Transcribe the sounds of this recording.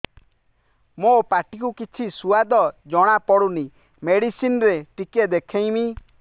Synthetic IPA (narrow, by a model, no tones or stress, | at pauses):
mopaʈikukit͡ʃʰisuad̪ɔd͡ʒɔɽ̃apɔɽuni | meɽisinɔɾeʈiked̪ekʰej̃mi